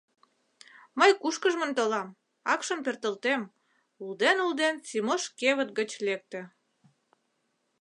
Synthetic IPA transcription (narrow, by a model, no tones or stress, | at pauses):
məjkuʃkəʒmə̆nt̪olɑm | ɑkʃə̆mpert̪əlt̪em | uld̪enuld̪ensimoʃkeβət̪̚ɡət͡ɕlek̚t̪ĕ